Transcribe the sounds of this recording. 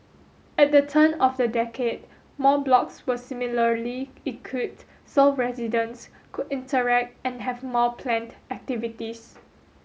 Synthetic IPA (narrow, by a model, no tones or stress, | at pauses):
ɛt̚dətʰə̃nɔfdədɛkʰed̚ | mɔblɔkswəsimiləliikʰwit | sɔlfɹɛzidə̃ns | kʰudĩntəɹɛk̚t̚ɛ̃nɦɛvmɔpʰlɛ̃ndɛk̚tivitis